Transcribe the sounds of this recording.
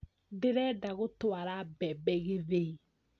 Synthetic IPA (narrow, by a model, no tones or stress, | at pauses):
dɪɾɛdaɣʊtwaɾabɛbɛɣeðe